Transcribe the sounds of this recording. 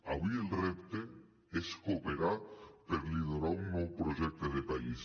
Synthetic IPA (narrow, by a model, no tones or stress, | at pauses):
aβielrept̪e | eskopeɾapeɾliðoɾaunːowpɾoʒek̚t̪eðepais